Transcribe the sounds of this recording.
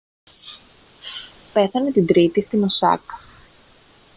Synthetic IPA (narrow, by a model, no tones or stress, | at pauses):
pe̞θɐne̞t̪ind̪ɾit̪ist̪imosɐ̰k